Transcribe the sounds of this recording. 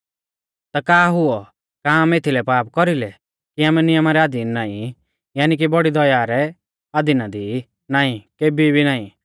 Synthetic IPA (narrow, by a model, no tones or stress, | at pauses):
t̪akaːɦʊɔ | kaːmet̪ʰilɛpaːpkɔɾilɛ | kiaːmɛnɪjɐmaɾɛaːd̪iːnːaːĩ | jaːnik̬ibɔɽid̪ɔjaːɾɛ | aːd̪inad̪i | naːĩkeːbibʱinaːĩ